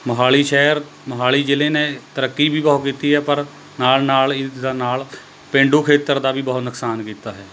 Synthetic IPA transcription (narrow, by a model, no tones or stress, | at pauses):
məɦaːɭiːʃɛːəɾ | məɦaːliːd͡ʒɪleːnẽt̪əɾəkːibʱiːbəɦʊkiːt̪iːɦɛːpəɾ | naːlnaːlɪd̪aːnaːl | pẽːɳɖuːkʰeːt̪əɾd̪aːbʱiːbəɦʊt̪nəksaːnkiːt̪aːɦɛː